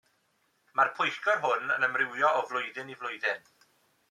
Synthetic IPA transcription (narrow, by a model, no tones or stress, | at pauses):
marpʰʊjkɔɦʊnə̰nəmrɪwjɔɔvlˠʊjðɪnivlˠʊjðɪn